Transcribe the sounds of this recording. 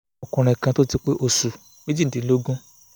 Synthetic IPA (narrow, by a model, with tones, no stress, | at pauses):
ɔ˨kũ˨ɾ̃ɛ̃˨kã˧to˦ti˧k͡pe˦ʔo˦˨su˨ | me˦d͡ʒi˦˨dĩ˨˦lo˦ɡũ˦